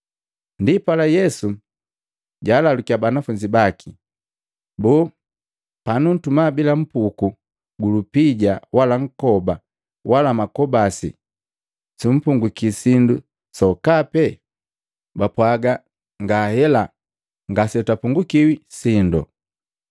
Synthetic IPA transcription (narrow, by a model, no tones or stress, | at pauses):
ndipalajɛsu | ɟaːlalukiabanafuɲd͡ʒibaki | bɔː | panun̩tumabilam̩puku | ɡulupiɟawalaŋ̩kɔba | walamakɔbasḭ | sum̩puŋɡukisindu | sɔkapɛ | bapwaɡa | ŋɡahɛla | ŋɡasɛtapuŋɡukiwisindɔ̰